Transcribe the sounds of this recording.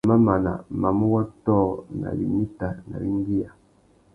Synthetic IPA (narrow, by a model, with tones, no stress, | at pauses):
ma˦ma˨na̰˨ma˨mu˦wa˦tɔ˦˨na̰˨bi˨mi˦ta˨na̰˨bi˦ŋ˦ɡi˦ja˨